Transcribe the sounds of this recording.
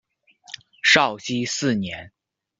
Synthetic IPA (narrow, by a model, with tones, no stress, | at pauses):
ʂɑ˥˩ʊɕi˥sɹ̩˥˩njɛ˧˥n